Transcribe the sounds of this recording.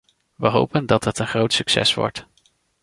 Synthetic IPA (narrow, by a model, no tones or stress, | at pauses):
ʋəɦo̰wpəndɑtətənχrowtsyksɛ̰sʋɔ̰ɹt